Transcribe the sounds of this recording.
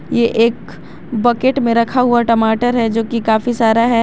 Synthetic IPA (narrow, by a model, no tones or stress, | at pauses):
jeʔeːk | bɐkeʈmẽɾɐkʰaɦʊaʈɐmaːʈəɾɦɛd͡ʒoːkikaːfisaːɾaɦɛ